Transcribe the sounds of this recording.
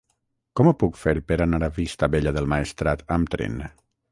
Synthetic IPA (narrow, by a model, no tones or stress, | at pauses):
kɔməpukfeɾpəɾanaɾaβist̪aβeʎaðəlˠmaest̪ɾat̪əmt̪ɾḛn